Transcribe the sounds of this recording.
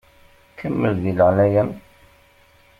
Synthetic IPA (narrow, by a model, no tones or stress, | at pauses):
kəmːəlðiləʁnæjən